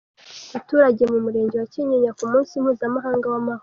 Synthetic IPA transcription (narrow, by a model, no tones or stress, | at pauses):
atuːɾaɟe̞mumuɾe̞ːɲɟe̞waciɲeɲakumuːnsimhuːzamaɦaːŋɡawamaho